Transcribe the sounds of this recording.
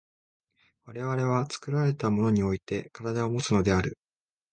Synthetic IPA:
βaɾe̞βaɾe̞β̞at͡sɨ̥kɯ̟ɾaɾe̞t̪amo̞no̞ɲ̟io̞it̪e̞kaɾad̪ao̞mo̞t͡sɨno̞d̪e̞aɾɯ̟

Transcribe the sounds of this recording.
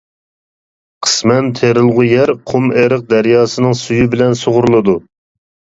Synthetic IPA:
qʰə̥smɛnt̪ʰeɾɨlˠʁʊjɛɾqʰʊmeɾəq̚d̪æɾjɑːsɨnɨŋsujybɪlɛnsoʁʊɾlˠɨd̪u

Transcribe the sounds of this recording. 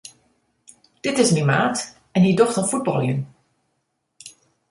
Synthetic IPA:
d̥ɪtɪsmimaːt | ɛnidɔxtənfud̚bɑlˠjən

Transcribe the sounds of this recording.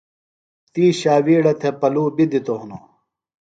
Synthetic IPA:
t̪iːɕaːwiːɽɐt̪ʰepɐluːbid̪it̪oɦuno̰

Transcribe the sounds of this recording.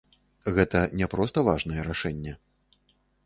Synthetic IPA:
ɣɛt̪ɐnʲɛpɾɔst̪ɐvaʐnɐjɛɾaʂɛnʲːɛ

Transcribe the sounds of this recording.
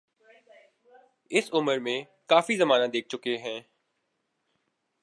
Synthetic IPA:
ɪsʊməɾmẽ | kaːfizɐmaːnãd̪eːk̚ʰt͡ʃʊkeɦɛ̃ː

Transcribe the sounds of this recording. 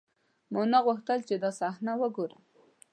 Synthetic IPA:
monaɣuxt̪əlt͡ʃed̪ɑsɑxnawəɡoɾə

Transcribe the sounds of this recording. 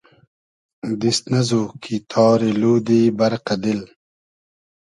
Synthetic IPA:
d̪ist̪nɐzokʰit̪ʰɑːɾeluːd̪iːbɐɾqɐd̪il

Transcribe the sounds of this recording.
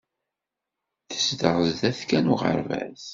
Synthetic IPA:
θə̥sd̪əɾˤəzd̪æθkænuʁə̰ɾvæ̰s

